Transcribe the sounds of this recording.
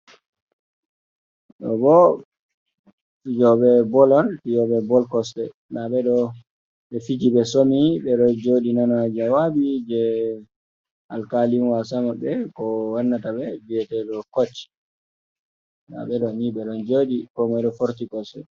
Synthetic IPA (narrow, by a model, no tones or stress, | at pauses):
ɗɔbɔ | tid͡ʒɔɓɛbɔlɔntid͡ʒɔɓɛbɔlkɔstɛ | laɓɛɗɔ | ɓɛfit̬iɓɛsomiɓɛɗɔd͡ʒoɗinanad͡ʒawabid͡ʒɛ | alkalinwasamaɓɛkɔwanːataɓɛbiɛtɛɗɔkot͡ʃːi̥ | ɗa̰ɓɛɗɔniɓɛɗɔnd͡ʒoɗikɔmajɗɔfoɾtikɔstɛ